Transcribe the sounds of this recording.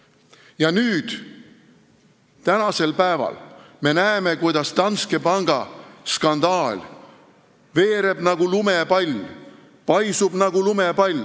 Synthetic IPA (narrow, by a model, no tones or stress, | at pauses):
jɑnyːd̪̥ | t̪ænɑse̞lpæevɑ̰l | me̞næeme̞kujd̪̥ɑst̪ɑnske̞pɑŋɡ̥ɑskɑnd̪ɑːlʲ | ve̞ːɾe̞b̥nɑɡ̥ulume̞pɑlʲ | pɑjsub̥nɑɡ̥ulumepɑlʲ